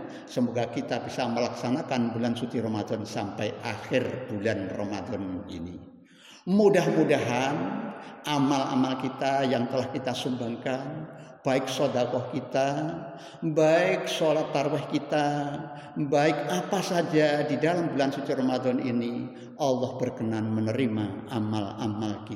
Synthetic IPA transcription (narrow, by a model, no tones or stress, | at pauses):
səmoɡakit̪abisaməlaksanakanbulansut͡ʃiɾomad̪ɔnsampajʔaxɪrb̥ulanromad̪ɔnḭni | mudahmudaɦanʔamalʔa̰malkit̪ajaŋt̪əlahkit̪asumbaŋkanb̥aɪk̚sodakɔhkit̪a | baɪk̚solat̪ːarwɛhkit̪a | baɪkapasad͡ʒadidalambulansut͡ʃ̪iromad̪ɔnini | ʔɑlːɔhbərkənanmənəɾimaamalamalki